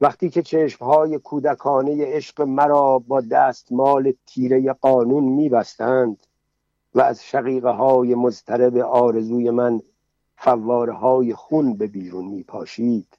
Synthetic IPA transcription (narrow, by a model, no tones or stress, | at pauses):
væχt̪iːkcʰe̞t͡ʃʰeːʃmhɒːje̞kʰuːd̪ækʰɒːne̞je̞eʃɢ̥e̞mæɾɒːbɒːd̪æːst̪mɒːle̞t̪ʰiːɾe̞je̞ɢɒːnuːnmiːbæst̪ænd̪̥ | væːzʃæɣiːɣeɦɒːje̞mozt̪ʰæɾebe̞ʔɒːɾe̞zuːje̞mæn | fævːɒːɾeɦɒːje̞xunbe̞biːɾunmiːpʰɒːʃiːd̪̥